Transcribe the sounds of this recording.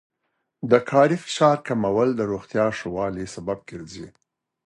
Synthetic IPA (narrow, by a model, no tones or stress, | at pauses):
d̪əkʰɑɾifɪ̥ʃɑɾkamawəld̪əɾoɣt̪jɑʂowɑlisabab̚keɾzi